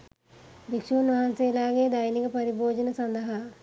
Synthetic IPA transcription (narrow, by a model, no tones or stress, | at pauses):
bikʂuːnʋɐɦanseːlaːɡeːd̪ɐjnikəpɐɾiboːd͡ʒɐnəsɐnd̪ɐɦa